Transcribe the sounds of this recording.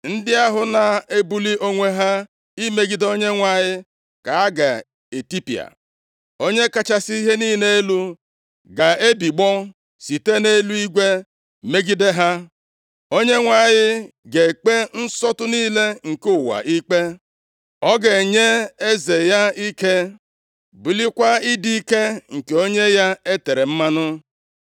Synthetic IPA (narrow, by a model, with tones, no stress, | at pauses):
n̩˦dɪ˦a˦ɦʊ˨na˨e˦bu˦li˦ʔo˦ŋʷe˦ɦa˦ | i˦me˦ɡi˦do˦ɲe˦ŋʷa˨ɲɪ˦ | ka˨a˦ɡa̰˨ | e˨ti˦pḭ˨a̰˨ | o˦ɲe˦ka˦˨t͡ʃa˦si˦i˦ɦe˦niː˦ne˦lu˦ | ɡa˨e˦bi˨ɡ͡bɔ˦ | si˨te˦ne˦lu˦i˦ɡʷe˦ | me˦ɡi˦de˦ɦa˦ | o˦ɲe˦ŋʷa˨jɪ˦ | ɡe˨k͡pe˦n̩˦sɔ˦tʊ˦niː˦le˦ŋ̩˨ku˦˨wa̰˨ʔi˦k͡pe˦ | ɔ˦ɡe˨ɲe˦e˦ze˨ja˦i˦ke˦ | bu˨li˦kʷa˦i˦di˦i˦ke˦ŋ̩˨ke˨o˦ɲe˦ja˦e˦te˨ɾe˨m̩˦ma˦nʊ˦